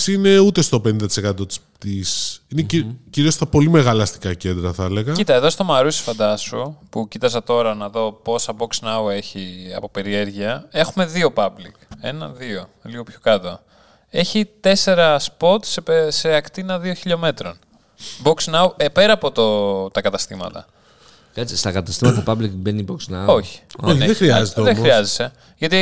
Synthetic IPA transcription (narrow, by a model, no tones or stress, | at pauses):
sine̞ut̪e̞st̪o̞pe̞nind̪ɐt̪i̥sekɐt̪o̞t̪i̥s | t̪isineciɾiost̪ɐpo̞lime̞ɣɐlɐst̪i̥kɐce̞nd̪ɾɐθɐeleɣɐcit̪ɐeðo̞st̪o̞mɐɾusi̥fɐnd̪ɐsupucit̪ɐs̬ɐt̪o̞ɾɐnɐðo̞po̞sɐbo̞ksnɐwe̞çiɐ̰pope̞ɾie̞ɾʝiɐe̞xume̞ðio̞pɐblḭkenɐ̰ðio̞liɣo̞pço̞kɐt̪o̰ | e̞çit̪e̞se̞ɾɐspo̞t̪sepseɐkt̪inɐðio̞çiʎo̞me̞t̪ɾo̞n | bo̞ksnɐwepeɾɐːpo̞t̪ot̪ɐkɐt̪ɐst̪imɐ̰t̪ɐ̰ | kɐt͡sist̪ɐkɐt̪ɐst̪imɐt̪ɐpɐblikbeniboksnɐo̞çi̥ðexɾiɐzet̪eðexɾiɐzese̞ | ʝɐt̪i